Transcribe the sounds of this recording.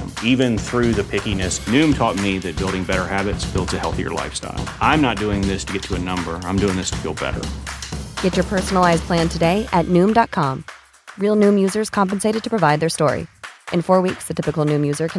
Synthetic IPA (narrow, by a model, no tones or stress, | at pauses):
ivɨ̃nθɹʉðɨpʰɪkinɨsnʉ̃mtʰɔt̚miðɨt̚b̥ɪlˠɾɪ̃ŋbɛɾə˞hæbɨtsb̥ɪlˠdzɨhɛlˠθiə̰˞la̰ɪfsta̰ɪlˠʔãɪ̃mnət̚d̥ʉɪ̃ŋðɪstʰɨɡɛtʰəɨnʌ̃mbə˞ãɪ̃mdʉɪ̃ŋðɪstʰə̥fḭlˠbɛ̰ɾə̰˞ | ɡ̥ɛt͡ʃə˞pʰɜ˞sn̩l̩ˠaɪzpʰl̥æ̃ntʰɨdeɪʔɨtⁿnʉ̃mdɑt̚kʰɑ̃m | ɹilˠnʉ̃mjʉzə˞z̥kʰɑ̃mpɨ̃n̩seɪɾɨd̚tʰɨ̥pʰɹ̥əvaɪd̪̚ðə˞stɔɹḭʔɨ̃nfɔɹwiksðɨtʰɪpɨkl̩ˠnʉ̃mjʉzə˞kʰ